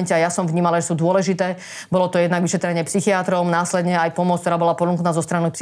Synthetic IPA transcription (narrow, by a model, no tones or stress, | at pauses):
ncɛajasɔmvɲiːmalaʒɛsuːd̪ʊɔlɛʒit̪ɛː | bɔlɔt̪ɔjɛd̪naɡʋiʃɛt̪ɾɛɲɪɛpsixiat̪ɾɔnaːslɛd̪ɲɛajpɔmʊɔt͡skt̪ɔɾaːbɔlapɔd̪luŋknaːzɔst̪ɾanips